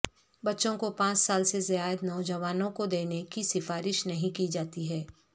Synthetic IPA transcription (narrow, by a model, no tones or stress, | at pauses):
bɐtːʃõkopãːt͡ʃsaːlsezɪjaːjəd̪nɔːd͡ʒəʋaːnõkod̪eːnekisɪfaːɾɪʃnɐɦĩkid͡ʒaːt̪iɦɛː